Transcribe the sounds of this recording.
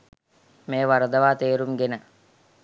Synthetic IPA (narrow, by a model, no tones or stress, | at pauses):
meːʋɐɾəd̪ɐʋaːt̪eːɾumɡenə